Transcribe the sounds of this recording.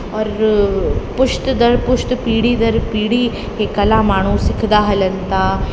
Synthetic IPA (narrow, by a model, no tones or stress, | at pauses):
ɔːɾ | puʂt̪d̪əɾpuʂt̪piːɽiːd̪əɾpiːɽi | ɦekɐlamaːɽ̃uːsikʰd̪aːɦɐlɐnt̪a